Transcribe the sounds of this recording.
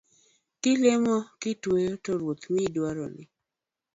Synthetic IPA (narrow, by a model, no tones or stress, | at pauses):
kɪlemɔkɪtwejotɔɾwot̪midwaɾɔ̰nɪ̰